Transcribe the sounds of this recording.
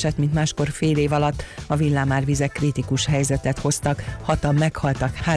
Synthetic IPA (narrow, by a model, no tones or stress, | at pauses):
ʃɛt̪mint̪maːʃko̞rfeːleːvɒlɒt̪ːɒvilːaːmaːrvizɛkːrit̪ikuʃhɛjzɛt̪ɛt̪ho̞st̪ɒkhɒt̪ɒmːɛkhɒlt̪ɒkhaː